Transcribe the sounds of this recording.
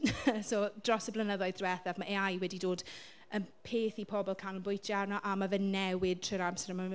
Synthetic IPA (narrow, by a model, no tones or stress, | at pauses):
soːd̥rɔsəblənəðɔjðrwɛθavmaʔeajwɛdidoːd | ənpʰeːθipʰɔbɔlˠkʰanənbʊjtʰjarnɔʔamavɛnːɛwɪd̥tʰrəɾamsɛɾəma